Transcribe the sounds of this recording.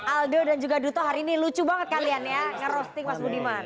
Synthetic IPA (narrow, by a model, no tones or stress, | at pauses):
ʔaldodand͡ʒuɡadut̪ɔɦaɾiːnilut͡ʃubaŋət̪̚kalianjaŋəɾɔst̪ɪk̚masbudiman